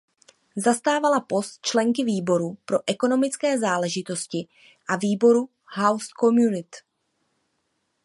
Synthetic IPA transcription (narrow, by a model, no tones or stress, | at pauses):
zast̪aːvalapo̞st̪̚t͡ʃlɛŋkɪviːbo̞ɾupɾo̞ʔɛko̞no̞mɪt͡skɛːzaːlɛʒɪt̪o̞scɪ | ʔaviːbo̞ɾu | hawskomjunɪt̪